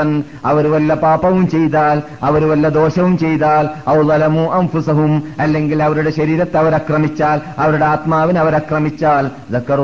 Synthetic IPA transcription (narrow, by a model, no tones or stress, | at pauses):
ɐn | ɐʋɐɾuʋɐlːɐpaːpɐʋumt͡ɕe̞jt̪aːl | ɐʋɐɾuʋɐlːɐd̪o̞ːɕɐʋumt͡ɕejt̪aːlɐwðɐlɐmuːʔɐnfusɐɦumɐlːe̞ŋɡilɐʋɐɾuɽe̞ɕɐɾiːɾɐt̪ːɐʋɐɾɐkrɐmit͡ɕːaːlɐʋɐɾuɽe̞aːt̪maːʋinɐʋɐɾɐkrɐmit͡ɕːaːl | zɐkːɐr